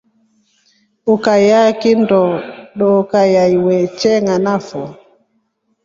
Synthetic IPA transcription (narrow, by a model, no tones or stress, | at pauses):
ukajakindɔɗɔkajaiwɛt͡ʃɛŋanafɔ